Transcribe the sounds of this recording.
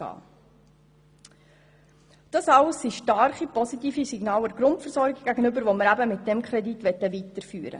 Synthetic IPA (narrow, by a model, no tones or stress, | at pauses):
ɑ̰ː | d̥ɑsɑʊsːiʃtɑɾχipɔsitiːfisiɡnɑːləɾɡ̥ɾʊntfəɾsɔɾɡɪɡ̚ɡ̥æɡənʏbəɾʋoməɾæbəmɪt̚d̥ɛmkχɾɛditʋɛtːəvitəɾfyːɾə̰